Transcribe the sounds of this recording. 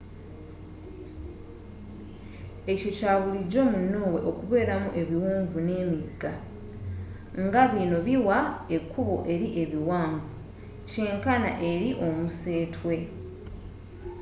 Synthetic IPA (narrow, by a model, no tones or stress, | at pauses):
e̞co̞caːβuliɟo̞ːmunːo̞ːwe̞ʔo̞kuβe̞ːɾamuʔe̞βiwuːɱvune̞ːmiɡːa | ŋɡaβino̞βiwaekʰːuβoʔe̞ɾiʔe̞βiwaːɱvu | ce̞ːŋkana̰ʔe̞ɾiʔo̞muse̞ːtʰwe̞